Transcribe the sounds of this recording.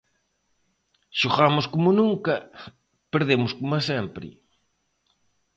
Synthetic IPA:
ʃoɣamʊskomʊnũŋkɐ | peɾðemʊskomɐsempɾɪ̰

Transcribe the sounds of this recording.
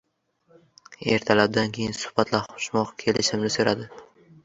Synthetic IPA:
e̞ɾt̪ʰalab̚d̪ankʲʰe̞jɪnsʊ̥hb̥at̪ʰlaɾχo̥ʃmɒqkʲʰe̞lɪʃɪmnɪsoɾad̪ɪ

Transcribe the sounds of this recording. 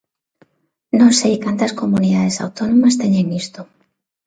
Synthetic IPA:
nõnsejkant̪ɐskomuniðaðesa̰wt̪onõmɐst̪eɲeŋist̪o

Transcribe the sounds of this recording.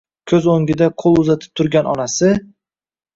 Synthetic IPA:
kʲʰɵzoŋɡʲɪd̪aqʰolˠʊzat̪ʰɪ̥p̚t̪ʰʊɾɡʲanʔɒ̰nasɪ

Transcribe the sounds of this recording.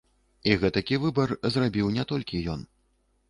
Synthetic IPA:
iɣɛt̪ɐkʲivɨbɐrzrabʲiwnʲɛt̪ɔlʲkʲijɔn

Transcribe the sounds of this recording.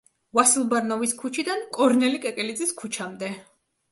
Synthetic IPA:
vasilˠbaɾnɔviskʰut͡ʃʰid̪ankʼɔɾnɛlikʼɛkʼɛlid̪ziskʰut͡ʃʰamd̪ɛ

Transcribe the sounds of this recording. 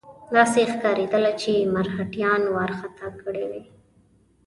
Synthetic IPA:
d̪ɑsexkɑɾed̪əlat͡ʃemaɾhaʈjɑnwɑɾxat̪ɑkəɽewe

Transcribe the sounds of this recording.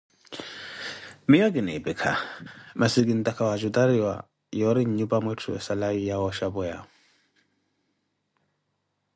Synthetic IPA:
mijɔɡinɛ̰bɛkʰa̰masiɡindakawad͡ʒudaɾiwa̰ | jɔɾiɲubamɔtʰuɛ̰salajijawɔʃabɔja̰

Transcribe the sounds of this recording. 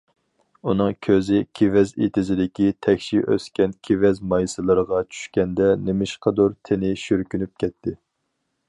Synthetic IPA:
unɨŋkʲʰøzɪkʲʰevɛzḛt̪ʰɪzɪd̪ɪkʲit̪ʰɛkʲʃiʔø̰skʲɛnkʲʰevɛzmɑjsɨlˠɨɾəʁɑt͡ʃʰy̥ʃkʲɛnd̪ɛnɪmɪʃqʰəd̪uɾt̪ʰɪnɪʃyɾkʲynyp̚kʲɛt̪ʰːɪ

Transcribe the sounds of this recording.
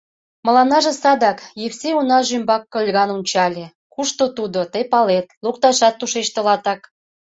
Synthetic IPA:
mə̆lɑnɑʒĕsɑd̪ɑkjewseunɑʒymbɑkːɤ̆lʲɣɑnunʲt͡ɕɑlʲe | kuʃt̪ot̪ud̪ot̪əjpɑlet̪lukt̪ɑʃɑt̪ːuʃet͡ɕt̪ə̆lɑt̪ɑk

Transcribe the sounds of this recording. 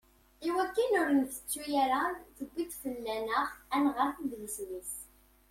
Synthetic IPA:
iwækːənʊɾənθə̥t͡sːujaɾanθəɡʷːit̪fəlːænəʁænʁaθənðləswis

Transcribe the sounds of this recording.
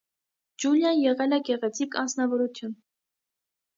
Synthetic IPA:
d͡ʒuljɑnjɛʁɛlɛɡɛʁɛt͡sʰikɑ̰nt͡sʰnɑvɔɾut̪ʰjun

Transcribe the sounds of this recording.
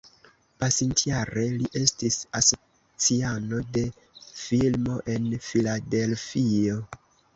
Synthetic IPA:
pasintijaɾe̞liʔe̞stisaso̞ | t͡siano̞de̞ | filmo̞ʔe̞nfilade̞lfio̞

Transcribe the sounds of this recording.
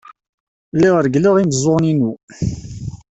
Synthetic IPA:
lːiʁəɾɡliʁimzˤoʁninu

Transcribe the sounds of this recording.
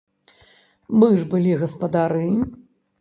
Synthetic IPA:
mɨʐbɨlʲiɣɐspɐd̪aɾɨ

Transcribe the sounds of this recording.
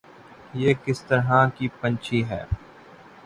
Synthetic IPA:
jeːkɪst̪əɾɦãkiːpə̃nt͡ʃʰiːɦɛ̰ː

